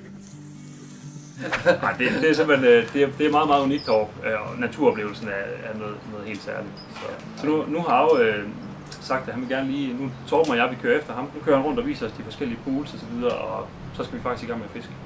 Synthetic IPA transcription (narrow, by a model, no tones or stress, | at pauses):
ɑɪd̥e̝d̥e̝æɐsem̰b̥lenød̥e̝æd̥e̝æɐmɑ̈ːð̩ˠmɑð̩ˠuniɡ̥̚d̥ɒ̰ɐ̥ønæt͡sʰuɐ̰ɒ̽b̥le̝ːʊl̩sn̩æɐæɐnoːð̩ˠnɔ̽ːð̩ˠe̝̰ːld̥sæɐlid̥sʰɔ̰j | sɒnunuhɑ̈ɑʊø | sɑ̈ɡ̥d̥æhænʋe̝lɡæɐnliːnut͡sʰɒːb̥mɑ̈ɪjɑ̈ɪʋikʰøːɐefd̥ɐhɑ̈mnukʰøɐhænʁɔ̽n̰d̥ɒ̽ʋḭːsɐɒsd̥ifɒ̽sɡ̥el̰iəpʰuːlsɒ̽sɒ̽ʋið̞ˠɐʔɒ̽ | sɒ̽sɡ̥æʋifɑ̈ɡ̥isɡiːɡɑ̈ŋ̰mefe̝sɡ̥ə̥